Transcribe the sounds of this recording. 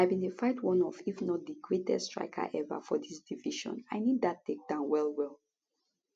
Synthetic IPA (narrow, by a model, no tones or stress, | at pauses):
ajbĩndəfaɪtwɔ̃nɔvifnɔt̚diɡɹetʰɛ̰stɹ̥a̰ɪkʰa̰ʔɛvə̰fɔðisd̥iviʃɔ̰̃na̰ɪnidðatːek̚d̥ãʊ̃nwɛlˠwɛlˠ